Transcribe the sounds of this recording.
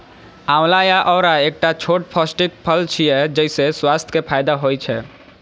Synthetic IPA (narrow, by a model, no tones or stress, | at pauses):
ãmlajaʔɔːɾaek̚ʈat͡ʃʰoʈ̚pʰəsʈik̚pʰəlt͡ʃʰijɛd͡ʒɛɪseswast̪ʰkepʰajd̪aɦojt͡ʃʰɛ